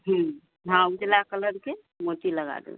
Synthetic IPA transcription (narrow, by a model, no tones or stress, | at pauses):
ɦũ | ɦãud͡ʒlakələɾke | moʈiləɡa̰d̪ḛ